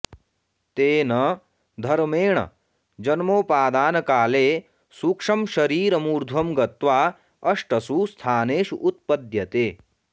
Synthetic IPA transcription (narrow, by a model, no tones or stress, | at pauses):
t̪eːnɐ | d̪ʱɐɾmeːɳɐ̰ | d͡ʒɐnmoːpaːd̪aːnɐkaːleː | suːkʂɐmʃɐɾiːɾɐmuːɾd̪ʱwɐmɡɐt̪ʋaː | ɐʂʈɐsuːst̪ʰaːneːʃuʔːt̪̚pɐd̪jɐt̪eː